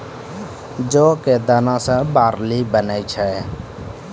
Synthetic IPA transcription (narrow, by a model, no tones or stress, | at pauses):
d͡ʒoːkeːd̪aːnãːsə̃baːɾlibənaːit͡ʃʰɛ